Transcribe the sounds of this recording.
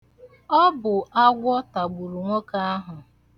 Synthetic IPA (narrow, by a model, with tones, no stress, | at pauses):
ɔ˦bʊ˨ʔa˦ɡʷɔ˦ta˨ɡ͡bu˨ɾu˨ŋʷo˦ka˦a˦ɦʊ˨